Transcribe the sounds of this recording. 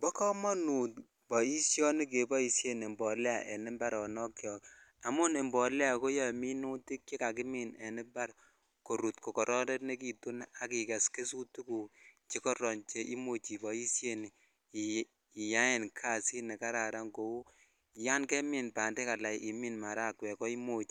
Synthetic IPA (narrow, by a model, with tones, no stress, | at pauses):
bɔ˦kɔ˦mɔ˦nu˨t | bɔ˨i˦sjɔ˦ni˦k̬e˨bɔ˦i˨sje˦ne˨mbɔ˨lɛ˦a̰˨ʔe˨nɪ˦mba˦ɾɔ˨nɔ˦kjɔ˨a˨mʊ˦ne˨mbɔ˨lɛ˦a˨ko˦jɔ˦˨mi˦nu˦ti˦k̚e˦ka˨k̬ɪ˦mi˦˨nɛ˨nɪ˦mba˦ɾ | ko˨ɾu˨tko˨kɔ˨ɾɔ˦dɛ˦t̚ne˦k̬i˨tu˦n˦a˨ki˨kɛ˨ske˦su˦tu˦ku˨t͡ʃe˦kɔ˦ɾɔ˨nt͡ʃe˦ʔi˦mo˦t͡ʃi˨bɔ˨i˦sje˦ni˨ | ja˦e˨nkʰa˦˨si˦ne˨ka˦ɾa˨ɾa˦ŋɡo˨wu˦ | ja˦nkɛ˦mi˨npa˨nde˦ka˨la˨jʔi˨mi˦nma˨ɾa˦˨kwɛ˨kɔ˦i˦mo˨t͡ʃi˨